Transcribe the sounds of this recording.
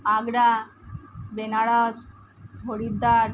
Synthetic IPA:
aɡɽa | benaɭas | ɦoɽid̪a

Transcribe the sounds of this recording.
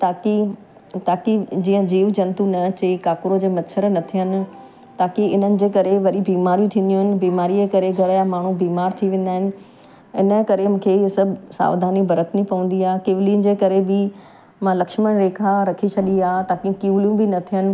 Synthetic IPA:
t̪aːki | t̪aːkid͡ʑĩːə̃d͡ʑiːʋd͡ʑɐ̃nt̪unɐt͡ɕekaːkʊɾod͡ʑeːmɐtʃʰəɾnɐt̪ʰijənɪ̆ | t̪aːkiɪn̤ənɪ̆d͡ʑeːkɐɾeʋɐɾibiːmaːɾijũt̪ʰĩːnd̪ijũɦɪnɪ̆biːmaːɾiekɐɾeɡʱɐɾamaːɳ̤ubiːmaːɾt̪ʰiʋẽːn̆d̪aːɦɪnɪ̆ | ɪnəkɐɾemũːkʰeːsɐbʱsa̰ːʋd̪ʱaːnibɐɾət̪nipɐʋə̃nd̪iaːkeːʋɪliːənɪ̆d͡ʑeːkɐɾebɪ | mãːlɐkʃməɽ̃ɾeːkʰaɾɐkʰit͡ɕʰɐɗiaːt̪aːkiũkiʋlijũbɪnɐt̪ʰijənɪ̆

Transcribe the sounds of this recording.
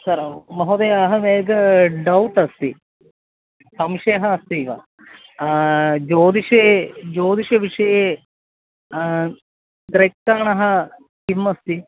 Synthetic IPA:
sɐɾmɐɦod̪ejɐɦɐmeːɡɐɖɐwʈɐst̪i | sɐmʂeːɐɦɐːst̪iʋɐ̰ | d͡ʒoːd̪iʂed͡ʒoːd̪iʂɐʋiʂɐje | t̪ɾekkːaːɳɐɦɐ | kimːɐst̪i

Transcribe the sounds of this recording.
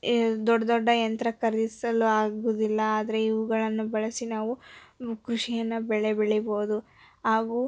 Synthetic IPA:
d̪ɔɖːɐd̪ɔɖːɐjɐnt̪ɾɐkɐɾd̪isɐluaːɡud̪ilːɐaːd̪ɐɾe̞iʋuɡɐɭɐnːubɐɭɐsinaːʋukɾuʂijɐnːɐbɛɭebeɭibo̞ːd̪u | ɦaːɡuː

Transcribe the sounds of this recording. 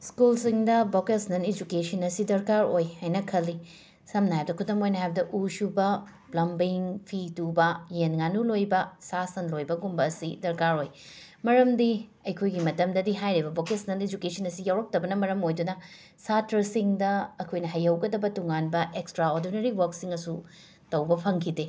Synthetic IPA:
skulsiŋdɐbokesnɐned͡ʒukesɐnɐsidɐɾkaɾojhajnɐkʰɐlːi | sɐmnɐɦajb̚dɐkʰutɐmojnɐɦajbɐdɐʔusubɐ | plɐmbiŋpʰitubɐjenŋanulojbɐsasɐnlojbɐɡumbɐsidɐɾkaɾoj | mɐɾɐmdiɐjkʰojɡimɐtɐmdɐdiɦajɾibɐbokesnɐled͡ʒukesɐnɐsijawɾɐk̚tɐbɐnɐmɐɾɐmojdunɐ | satɾɐsiŋdɐːkʰojnɐɦɐjɐwɡɐdɐbɐtuŋanbɐʔekstɾaoɾdinɐɾiwɐɾksiŋɐsu | tɐwbɐpʰɐŋkʰide

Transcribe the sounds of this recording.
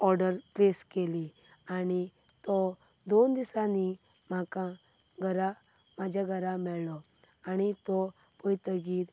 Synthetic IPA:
ɔɾɖəɾpleskeli | ani | t̪ɔ | d̪ond̪isãni | m̤akã | ɡʱəɾa | mad͡ʑʱjaɡʱəɾamɛɭlɔ | aɽ̃it̪ɔ | pɔjt̪əɡiːt̪

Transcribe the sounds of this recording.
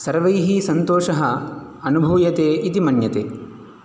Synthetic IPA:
sɐɾʋɐjɦisɐnt̪oːʃɐɦɐ | ɐnubʱɐʋjɐt̪eːʔit̪imɐnjɐt̪eː

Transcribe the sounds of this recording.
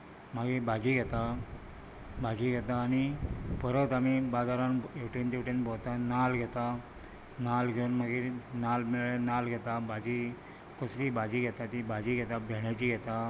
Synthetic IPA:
maɡebad͡ʑiːɡʱɛt̪a | bʱad͡ʑiɡʱɛt̪aːñipəɾət̪amibad͡zaɾãnewʈent̪ewʈenbʱɔt̪analɡʱɛt̪a | nalɡʱeunmaɡenalmeɭenalɡʱɛt̪abad͡ʑi | kəslibad͡ʑiɡʱɛt̪at̪ibad͡ʑiɡʱɛt̪abʱɛɳ̃jat͡ɕiɡʱɛt̪a

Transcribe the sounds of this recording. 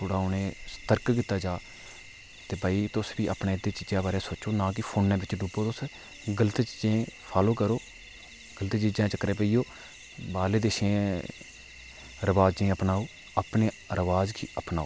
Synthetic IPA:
t̪ʰoːɽaːʊnẽːst̪əɾkkiːt̪ːaːd͡ʒaː | t̪eːbaːiːt̪ʊsbiːʔaːpnẽːd̪eːt͡ʃid͡ʒãːbaːɾaːsoːt͡ʃoːnãːk̬ɪpʰoːnːɛ̃ːbɪt͡ʃɖuboːt̪ʊs | ɡələt̪t͡ʃid͡ʒẽːpʰaːloːkəɾoː | ɡələt̪t͡ʃiːd͡ʒẽːt͡ʃəkɾeːpəiːjoː | baːleːd̪eːʃẽː | ɾəʋaːd͡ʒd͡ʒẽːəpnaːoː | əpneː | ɾəʋaːd͡ʒkʰiʔəpnaːoː

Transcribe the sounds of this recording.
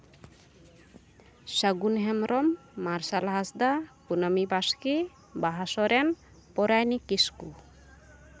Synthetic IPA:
saɡunɦɛmɾɔmː | aɾsalaɦasd̪akunamibaski | baɦasɔɾɛn | pɔɾajnikisku

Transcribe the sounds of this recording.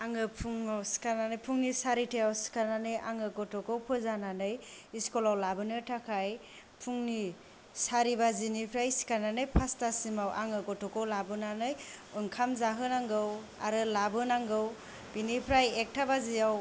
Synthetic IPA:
aŋɯpʰuŋawsi̥kananɯjpʰuŋnisaɾitʰejawsi̥kananɯjʔaŋɯɡɔtʰɔkɯwpʰɯzananɯjiskɔlawlabɯnɯtʰakʰaj | pʰuŋni | saɾibazinipʰɾajsi̥kananɯjpʰastasimawʔa̰ŋɯkɔtʰɔkɯwlabɯnanɯjɯŋkʰamzaɦɯnaŋɡɯw | a̰ɾɯlabɯnaŋɡɯw | binipʰɾajek̚tʰabazijaw

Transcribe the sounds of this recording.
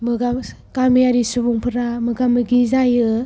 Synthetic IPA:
mɯɡam | kaɾmijaɾisubuŋpʰɯɾamɯɡamɯɡizajɯ

